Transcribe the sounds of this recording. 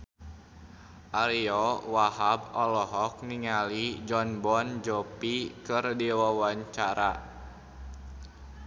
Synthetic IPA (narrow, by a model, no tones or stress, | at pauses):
ʔaɾiɔwahabɔlɔɦɔk̚niŋalid͡ʒɔnbɔnd͡ʒɔpikɨrdiwawaɲt͡ʃaɾa